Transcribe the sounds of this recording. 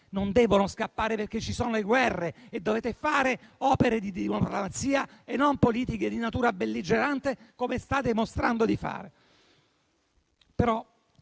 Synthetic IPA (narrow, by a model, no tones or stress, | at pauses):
nond̪ɛːvonoskapːaːɾeperk̟et͡ʃːisoːnoleɡwɛrːeed̪ːoveːt̪efaːɾeɔːpeɾed̪id̪iimopɾlomat̪siːaenːompoliːt̪iked̪inat̪uːɾabelːid͡ʒeɾant̪ekomest̪aːt̪̬emost̪ɾand̪od̪ifa̰ːɾe | peɾɔ